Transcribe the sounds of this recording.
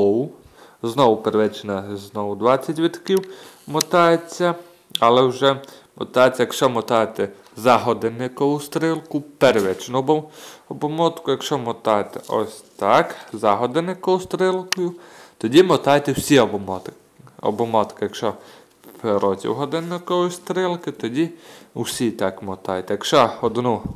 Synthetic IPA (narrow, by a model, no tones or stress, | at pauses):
ɔwʊ | znɔwʊpeɾʋɛt͡ʃnɐznɔwʊd̪ʋɑt͡sʲːɐtʲʋʲit̪kiwmɔt̪ɑjet͡sʲːɐ | ɐlˠɛwʒɛmɔt̪ɑjet͡sʲːɐjɐkʃt͡ʃɔmɔt̪ɑjet̪ɛ | zɑɦɔd̪enɪkɔʊst̪ɾɪlˠkʊpɛɾʋɛt͡ʃnʊbɔɔbɔmɔt̪kʊjɐkʃt͡ʃɔmɔt̪ɑjet̪ɛʔɔ̰sʲt̪ɑkzɑɦɔd̪enɪkɔʊst̪ɾɪlˠkɔjʊt̪ɔdʲimɔt̪ɑjt̪ɛwsʲiɔbɔmɔt̪ | ɔ̰bɔmɔt̪kɪjɐkʃt͡ʃɔ | pɾɔt͡sʲḭwɦɔd̪ɪnːɪkɔwʊst̪ɾɪlˠkɪt̪ɔdʲiusʲit̪ɑkmɔt̪ɑjt̪ɛjɐkʃɔɔd̪nu